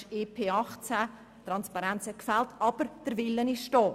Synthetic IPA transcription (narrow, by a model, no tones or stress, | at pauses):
eːpʰeːɑχt͡sæ | t̪ɾɑnspɑɾɛnt͡sɛkfɛltɑb̥əɾd̥əɾvɪlːənɪʃtɔː